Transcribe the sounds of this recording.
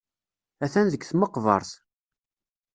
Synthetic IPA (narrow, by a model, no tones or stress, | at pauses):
æθænðəɡθməqːvə̰ɾˤθ